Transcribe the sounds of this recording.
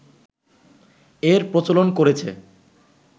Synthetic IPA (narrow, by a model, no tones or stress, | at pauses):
eɾpɾot͡ɕolonkoɾet͡ɕʰḛ